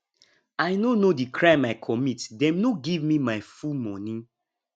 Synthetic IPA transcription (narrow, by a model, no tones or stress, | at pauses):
aɪnonodikʰɹãɪ̃maɪkʰɔmitdɛ̃mnoɡivmimaɪfumɔnĩ